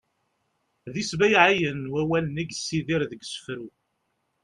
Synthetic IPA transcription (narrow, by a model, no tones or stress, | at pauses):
ðisbæjʕajənwæwæləniɡsːiðiɾðəɡsə̥fɾu